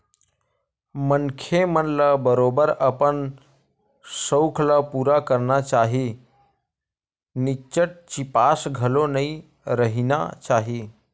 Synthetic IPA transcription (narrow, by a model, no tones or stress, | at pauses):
mənkʰemənlabəɾoːbəɾəpən | səʊkʰlapuːɾakəɾnat͡ʃaːɦi | nɪt͡ʃəʈ̚t͡ʃipasɡʱəlonəĩ | ɾəɦina̰t͡ʃaːɦi